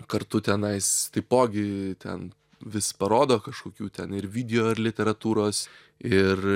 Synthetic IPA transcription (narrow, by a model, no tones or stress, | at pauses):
kɐɾt̪ʊt̪ʲɛnɐɪst̪ɐɪpoːɡʲɪt̪ʲɛ̰n | ʋʲɪspɐɾoːd̪oːkɐʃkoːkʲuːt̪ʲɛnɪɾʋʲiːd̪ʲɛjoːɪɾlʲɪt̪ʲɛɾɐt̪uːɾoːs | ɪr